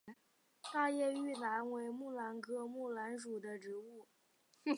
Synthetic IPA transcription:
t̪a˥˧jɛ˥˧y˥˩na˧˥nwe˧˥ɪmu˥˩la˧˥nkɤ˧˥mu˥˩la˧˥nʂu˨˩d̪ə˦ʈ͡ʂɻ̩˧˥u˥˩

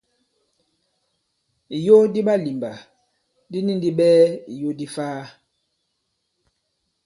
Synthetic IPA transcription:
i˨jo˦di˦ɓa˦li˨mba˨ | di˦ni˦n˨di˦ɓɛː˦ḭ˨jo˦di˦faː˦

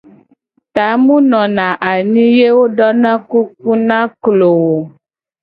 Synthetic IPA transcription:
t̪a˨˦mũ˦nɔ̃˨nã˨ʔa˨nĩ˦je˦wo˦ɖɔ˦nã˦ku˦k̚u˦nã˦klo˨wo˨

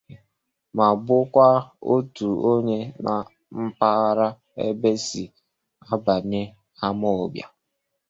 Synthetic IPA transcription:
ma˨bʊ˦kʷa˦o˦tu˨o˦ɲe˦na˨ | m̩˦pa˦ɾa˦ | ḛ˦be˦si˨ | a˦ba˨ne˦ | a˦mɔ˦˨bja̰˨

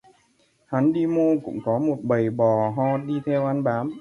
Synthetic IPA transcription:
ha˨˦nɗi˧mo˧kʊ̰˧˥ŋ͡mkɔ˨˦mo˨˩t̚ɓə˨˩jɓɔ˨˩ɦɔ˧ɗi˧t̪ʰɛ˧wʔa˧nɓaː˨˦m

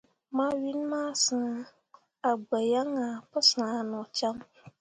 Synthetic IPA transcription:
mã˦ɥi˦n˦mãː˦˨sa˨ | a˨ɡ͡ba˨ja˦ŋa˨pə˦sa˨nʊ̃˨t͡ʃa˦ŋ

